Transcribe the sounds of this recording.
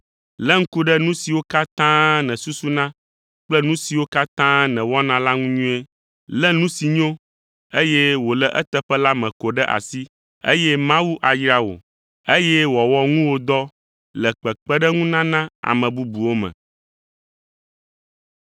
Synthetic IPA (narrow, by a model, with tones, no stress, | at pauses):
lɛ˦ŋ̩˦ku˦ɖɛ˦nũ˦si˨wo˦ka˦t̪ã˦nɛ̃˨su˦su˦nã˦ | k͡plɛ˦nũ˦si˨wo˦ka˦t̪ã˦nɛ̃˨wɔ˦nã˨˦la˦ŋũ˦ɲũ˦ɛ˦ | lɛ˦nũ˦si˨ɲõ˦ | e˦jɛ˦wo˨lɛ˨ʔɛ̰˦t̪ɛ˦ɸɛ˦la˦mɛ̃˨ko˨ɖɛ˦ʔa̰˨si˦ | ḛ˦jɛ˦mã˦wu˦ʔa˨jɾa˦wo̰˨ | e˦jɛ˦wɔ˨wɔ˦ŋũ˦wo˦d̪ɔ˦ | lɛ˨k͡pɛ˨k͡pɛ˦ɖɛ˦ŋũ˦nã˦nã˦a̰˨mɛ̃˨bu˦bu˨wo˦mɛ̰̃˨